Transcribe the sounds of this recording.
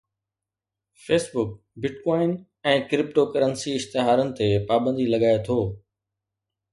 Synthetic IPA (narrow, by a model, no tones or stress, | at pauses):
feːsbʊk̚ | bɪɖkaɔːɪn | ɛ̃ːkɾɪpʈokɐɾənsiɪʃt̪ɪɦaːɾənɪ̆t̪epaːbə̃nd̪ilɐɠaːet̪ʰoː